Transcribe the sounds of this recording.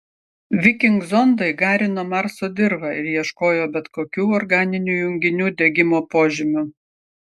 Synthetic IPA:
ʋʲɪkʲɪŋɡzɔnd̪ɐɪɡɑːɾʲɪnoːmɑɾsoːd̪ʲɪɾʋɑɪɾjiɛʃkoːjoːbʲɛt̪koːkʲuːɔɾɡɑːnʲɪnʲuːjʊŋʲɡʲɪnʲuːd̪ʲɛɡʲɪmoːpoːʒʲɪmʲʊ

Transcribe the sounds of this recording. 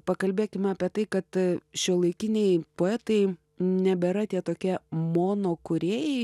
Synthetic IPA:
pɐkɐlʲbʲeːkʲɪmɑːpʲiɛt̪ɐɪkɐt̪ʃʲuɔlˠɐɪkʲɪnʲɛɪpoːɛt̪ɐɪ | nʲɛbʲɛɾɐt̪ʲiɛt̪oːkʲiɛmoːnoːkʊɾʲeːjɛɪ

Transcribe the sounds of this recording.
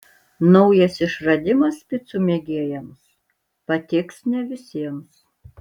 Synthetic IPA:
nɔʊjɛsɪʃɾɐd̪ʲɪmɐspʲɪt̪sʊmʲeːɡʲeɛjɛms | pɐt̪ʲɪksnʲɛʋʲɪsʲiɛms

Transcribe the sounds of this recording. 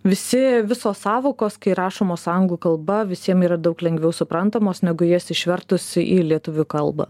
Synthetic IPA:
ʋʲɪsʲɪʋʲɪsoːsɑːʋoːkoːskɐɪɾɑːʃoːmoːsɑjʊŋɡlˠuːkɐlˠbɐʋʲɪsʲiɛmiːɾɐd̪ɐʊklʲɛŋɡʋʲɛʊsʊpɾɐnt̪ɐmoːsnʲɛɡʊjiːsɪʃʲʋʲɛɾt̪ʊsʲɪʔiːlʲiɛt̪ʊʋʲʊkɐlˠbɐ̰

